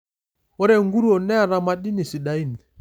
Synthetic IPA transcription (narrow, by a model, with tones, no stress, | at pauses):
ɔ˦ɾɛ˦ŋɡu˦ɾu˦ɔ˨nɛ˦a˨ɾa˨ma˨ɗi˦ni˨si˨ɗa˨i˦nɛ˨